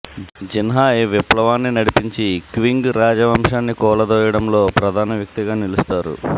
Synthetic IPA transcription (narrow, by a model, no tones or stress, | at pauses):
d͡ʒinɦaːeʋiplɐʋaːnːinɐɽipiɲt͡ʃikʋiŋɡɾaːd͡ʒɐʋɐmʂaːnːikɔːlɐd̪oːjɐɽɐmlo̞ːpɾɐd̪ʱaːnɐʋjɐk̚t̪iɡaːnilust̪aːɾṵ